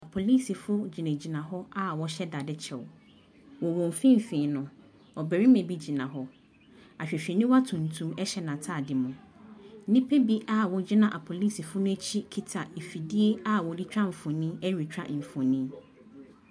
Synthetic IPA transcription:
a˨pʰo˨liː˦si˨fʊ˦d͡ʑi˨nẽ˨d͡ʑi˨nã˨ɦɔ˦a˦wɔ˦ɕɛ˦da˨dɪ˦t͡ɕʰɛ˨w | wɔ˨wɔ̃˨m˨fĩ˦m̩˨fĩː˨nʊ̃˨ | ɔ˨bɛ˨ɾi˦mẽ˨bi˦d͡ʑi˨nã˨ɦɔ˦ | a˨ɕᶣɛ˨ɕᶣi˨nĩ˦wa˦tʰũ˨n̩˨tʰũ˦mɛ˦ɕɛ˦nã˨tʰaː˦˨dɪ˨mʊ̃˨ | n̩˦nĩ˦pʰe˦bi˦ʔa˦wɔ˨d͡ʑi˦nã˦ʔa˨pʰo˨liː˦si˨fʊ˦nʊ̃˦æ˦t͡ɕʰi˦kʰi˦tʰa˨e˨fi˨di˦e˦a˦wɔ˨di˦t͡ɕᶣɾa˦m̩˨fɔ̃˨nĩ˦ɛ˦ɾi˨t͡ɕᶣa̰˦ʔm̩˨fɔ̃˨nĩ˦

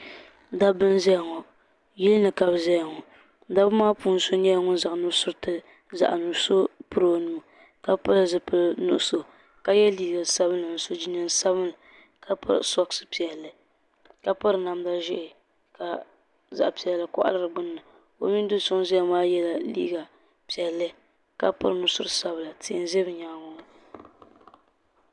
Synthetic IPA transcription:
da˦bɨ˦n˦zɛ˦ja˨ŋɔ˨ | jɛ˦lnɨ˨ka˨bzɛ˦jŋɔ˨ | da˦bɨ˦maː˦puː˦n˦so˦ɲɛ˦˨˦ŋʊ˦n˦za˨ʔnu˦sʊ˦tɨ˦ | za̰˨ʔnu˨˦so˦pɨ˦ɾo˨nuː˨˦˨ | ka˦pa˦lɨ˨zɨ˨pɨ˦nʊ̰˨ʔʊ˦so˨ | ka˦jɛ˦liː˦ɡa˨sa˦bɨ˦nlɨ˨n̩˨so˦d͡ʒi˦nɨ˦n˨sa˦bɨ˦nlɨ˨ | ka˦pa̰˦ɾsɔ˦ksɨ˦pi˨ɛ˨lːɨ˨ | ka˦pa˦ɾɨ˨na˨m˦da˨ʒɪ˦ʔɪ˨ | ka˨ | za̰˨ʔpi˨ɛ˨lːa˨kɔ̰˦ʔa̰˦lɨ˦˨ɾɨ˨ɡ͡bʊ˦nːɨ˨ | o̰˨mi˦n˦dʊ˦sʊ˦ŋ˦zi˦a˦maː˦jɛ˦la˨lḭː˦ɡa˨ | pi˨ɛ˨lːɨ˦ | ka˦pa̰˦ɾɨ˨nu˦sʊ˦ɾɨ˦sa˦bɨ˨la˨tʰi˨n˦zɛ˦bɨ˨ɲa˨ŋʊ˦

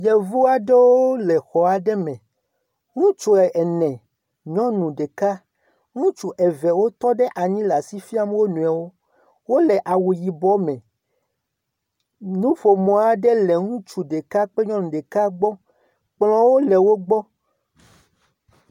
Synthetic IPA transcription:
jɛ˨vu˦a˨ɖɛ˦wo˦o˦lɛ˨xɔ˨a˨ɖɛ˦mɛ̃˨ | ŋũ˦t͡ʃu˨ɛ˨ʔɛ˨nɛ̃˨ | ɲɔ̃˦nũ˨ɖe˨ka˦ | ŋũ˦t͡ʃu˨ʔɛ˨vɛ˨wo˦t̪ɔ˦ɖɛ˦ʔa˨ɲĩ˦la˨si˦fi˦a˦m˦wo˦nũ˨a˨wo˦ | wo˦lɛ˨ʔa˨wu˨ji˨bɔ˦mɛ̃˨ | nũ˦fo˨mɔ̃˨a˨ɖɛ˦lɛ˨ŋũ˦t͡ʃu˨ɖe˨ka˦k͡pe˦ɲɔ̃˦nũ˨ɖe˨ka˦ɡ͡bɔ˦ | k͡plɔ̃˦wo˦lɛ˨wo˦ɡ͡bɔ˦

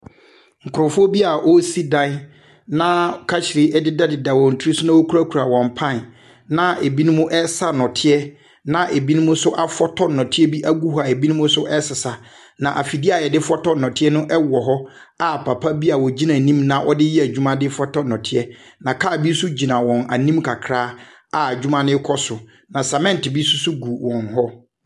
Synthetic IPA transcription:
ŋ̩˨kʰʊ˨ɾɔ˨fɔ˦bi˦a˨ʔɔ˦si˦dã˦ | nã˦˨kʰa˦ɕɪ˨ɾɪ˦ɛ˦dɪ˦da˦dɪ˨da˨wɔ˨n̩˨tʰɾi˦sʊ˦nã˦wɔ˦kʰu˦ɾa˦kʰɾa˨wɔ̃˨m̩˨pʰã˦˨n | nã˨e˨bi˦nʊ̃˦mʊ̃˦ʔɛ˦sa˦nɔ̃˨tʰɪ˦ɛ˦ | nã˨ʔe˨bi˦nʊ̃˦mʊ̃˦sʊ˦ʔa˦fɔ˦tʰɔ˦˨nɔ̃˨tʰɪ˦ɛ˦bi˦ʔa˦ɡu˦ha˨e˨bi˦nʊ̃˦mʊ̃˦sʊ˦ʔɛ˦sɪ˨sa˨ | nã˨ʔa˨fi˨di˦a˨jɛ˨dɪ˦fɔ˦tɔ˦nɔ̃˨tʰɪ˦ɛ˦nʊ̃˦ʔɛ˦wɔ˨ɦɔ˦ | a˦˨pʰa˨pʰa˦bi˦a˨wɔ˨d͡ʑi˦nã˨nĩ˦mnã˦ʔɔ̰˦dɪ˦jɛ˦æ˨d͡ʑᶣu˦mã˦dɪ˦fɔ˦tɔ˦nɔ̃˨tʰɪ˦ɛ˦nã˨kʰa˦˨bi˦sʊ˦d͡ʑi˨nã˨wɔ̃˨na˨nĩ˦mkʰa˨kʰɾaː˦ | a˨d͡ʑᶣu˦mã˦nɪ̃˦kʰɔ˦sʊ˨ | nã˨sa˨mɛ̃˦n˨tɪ˨bi˦sʊ˦sʊ˦ɡu˨wɔ̃˨nɦɔ˦

